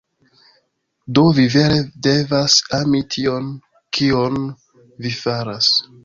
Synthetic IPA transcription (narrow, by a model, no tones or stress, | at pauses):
do̞vive̞ɾede̞vasamitʰio̞n | kʰion | vifaɾas